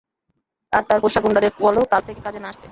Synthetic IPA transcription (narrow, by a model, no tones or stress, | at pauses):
aɾt̪aɾpojʃakuɳɖad̪eɾkuɔlokalt̪ʰekekad͡ʑʱenaaʃt̪ʰe